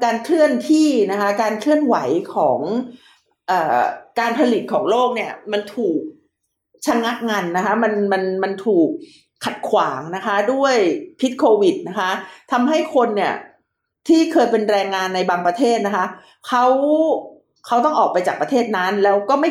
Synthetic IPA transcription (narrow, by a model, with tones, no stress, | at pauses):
kaː˧nkʰlɯ˥˩ənt̪ʰiː˥˩na˦˥kʰa˦˥kaː˧nkʰlɯ˥˩ənwa˩˦jkʰɔː˩˦ŋ | ʔɤː˨˩kaː˧npʰa˧li˨˩t̪̚kʰɔː˩˦ŋloː˥˩k̚ni˥˩ɐma˧nt̪ʰuː˨˩k̚ | t͡ɕʰa˧ŋa˦˥ʔ̚ŋa˧nːa˦˥kʰa˦˥ma˧nma˧nma˧nt̪ʰuː˨˩k̚ʰː | a˨˩t̪̚kʰwaː˩˦ŋna˦˥kʰa˦˥du˥˩əjpʰi˦˥t̪̚kʰoː˧wi˨˩t̪̚na˦˥kʰa˦˥t̪ʰa˧mɦa˥˩jkʰo˧nːi˥˩ə | t̪ʰiː˥˩kʰɤː˧jpe˧nɾɛː˧ŋːaː˧nːa˧jbaː˧ŋpɾa˧t̪ʰeː˥˩t̪̚na˦˥kʰa˦˥ | kʰa˦˥w | kʰa˦˥wt̪ɔ˥˩ŋʔɔː˨˩k̚pa˧jt͡ɕaː˨˩k̚pɾa˧t̪ʰeː˥˩t̪̚na˦˥nlɛː˦˥wkɔː˥˩ma˥˩